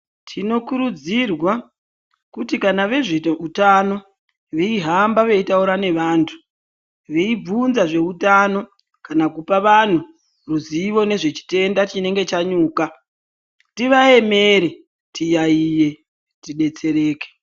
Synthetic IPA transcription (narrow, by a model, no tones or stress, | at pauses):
tʰino̞kuɾud͡zirwa | kutikanaʋe̞ʐeutano̞ | ʋeiɦambaʋe̞itauɾane̞ʋaːntʰu̥ | ʋe̞ib͡vunzaʐe̞utano̞ | kanakupaʋan̤u | ruziʋo̞ne̞ʐe̞t͡ʃi̥te̞ndat͡ʃine̞ŋɡe̞t͡ʃaɲuːka | tiʋae̞me̞ɾe | tijaije̞ | tiɗe̞t͡se̞ɾeːke̥